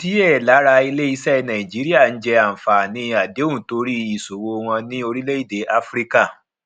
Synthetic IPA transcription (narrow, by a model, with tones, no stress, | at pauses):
ti˦ɛ˦˨la˨˦ɾa˧i˧le˦i˦sɛ˦˧nã˨ĩ˨d͡ʒi˨˦ɾi˦a˦˨n̩˦d͡ʒɛ˧a˨m̩˨fa˨nĩ˨˦a˨de˨˦ũ˦˨to˧˦ɾi˦i˦˨so˨wo˧w̃ɔ̃˧nĩ˦o˧ɾi˦le˦i˦˨de˨˦ʔa˦fɾi˦ka˦˨